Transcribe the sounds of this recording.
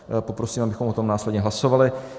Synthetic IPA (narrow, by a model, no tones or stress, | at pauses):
popɾo̞siːmʔabɪxomot̪omnaːslɛd̪ɲɛɦlaso̞valɪ